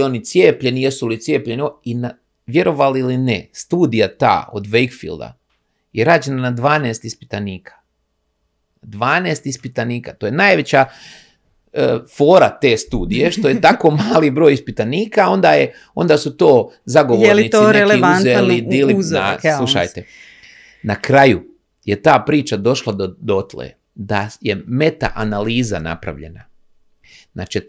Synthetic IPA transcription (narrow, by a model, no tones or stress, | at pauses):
o̞nit̪sjeːpʎe̞nijesulit̪sjeːpʎenioina | ʋje̞ɾo̞ʋalilinest̪uːd̪ijat̪a̰ːo̰d̪ʋejkfḭld̪a̰ | jeɾaːd͡ʒe̞nanad̪ʋaːneːst̪ispi̥t̪aniːkʰḁ | d̪ʋaːneːst̪ispit̪aniːkat̪o̞ːjenaːjʋe̞t͡ɕa | fo̞ːɾat̪e̞ːst̪uːd̪ije̞ʃt̪o̞jet̪ako̞ːmaːlibɾo̞jispit̪aniːkao̞nd̪aje | o̞nd̪asut̪o̞ːzaɡo̞ʋojelinit̪oiɾeleaunzellid̪ilizasllˠuʃa̰jt̪e | nakɾaju | je̞t̪aːpɾiːt͡ʃad̪o̞ʃlˠad̪od̪ot̪lḛ | d̪ajeme̞t̪a̰ʔanaliːza̰na̰pɾa̰ʋʎe̞̰na | na̰t͡ʃe